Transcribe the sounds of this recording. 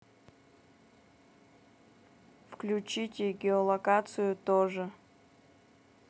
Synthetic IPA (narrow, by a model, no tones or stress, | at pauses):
fklʲut͡ɕitʲɪɡʲɪolˠɐkat̪sɨjʊt̪oʐɨ